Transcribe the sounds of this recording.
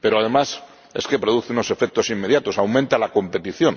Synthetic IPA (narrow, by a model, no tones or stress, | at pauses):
pe̞ɾoaðe̞mas | e̞̰ske̞pɾo̞ðuθeuno̞se̞fe̞k̚t̪o̞simːe̞ðjat̪o̞sawmẽnt̪alako̞mpe̞t̪iθjo̞n